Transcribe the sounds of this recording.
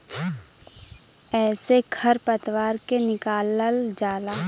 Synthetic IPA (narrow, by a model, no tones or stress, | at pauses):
ɛːseɡʱʰɐɾpət̪waːɾkenɪkaːləld͡ʒaːlaː